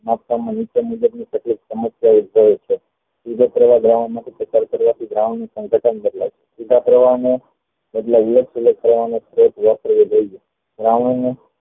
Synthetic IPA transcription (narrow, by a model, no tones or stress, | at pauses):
mapkamãnit͡ʃəmud͡ʒəbnikeʈliksəməsjaud̪̚bʱəjt͡ʃʰe | sid͡ʒekɾʋaɡɾaʋəɳmãt̪ʰipɾət͡ʃaɾkəɾʋat̪ʰiɡɾaʋəɳnusə̃ŋɡʱəʈʰənkəɾla̰t͡ʃʰe̥kiʈ̪apɾəʋane | eʈlaələksulek̚pɾəʋanesɾotʋəpəɾʋed͡ʒəid͡ʒe | ɡɾaʋəɳne